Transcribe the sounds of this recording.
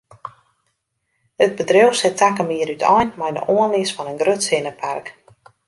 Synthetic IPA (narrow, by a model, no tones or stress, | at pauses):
ət̚bədrewsɛtʰakəmiəɾytʰɔjnmajdə̰ʔoənlɪsfɔnənɡrøtsɪnəpʰark